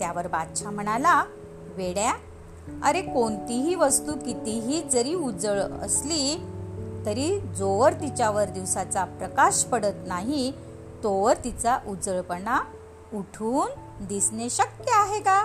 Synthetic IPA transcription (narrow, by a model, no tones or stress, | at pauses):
t̪jaʋəɾbad̪t͡ɕʰam̤əɽ̃ala | ʋeɽja | ə̰ɾekoɳt̪iɦiːʋəst̪uːkit̪iɦiːd͡zəɾiːud͡zəɭə̰sli | t̪əɾid͡zoʋəɾt̪it͡ɕjaʋəɾd̪iʋsat͡sapɾəkaɕpəɽət̪naɦi | t̪oʋəɾt̪it͡saʔud͡zəɭpəɳa | uʈʰuːn | d̪isneɕək̚t̪eaɦeka